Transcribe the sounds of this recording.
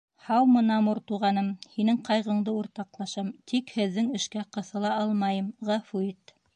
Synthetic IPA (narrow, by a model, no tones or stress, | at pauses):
hɑwmɤ̆nɑmɤɾt̪uʁɑnɤmhinɘŋqɑjʁɤ̆ɴd̪ɤuɾt̪ɑqlˠɑʃɤmt̪ʰikhɘ̆ðːɘŋɘ̆ʃkæqɤ̆θɤ̆lˠɑɑlˠmɑjɤmʁæfuit̪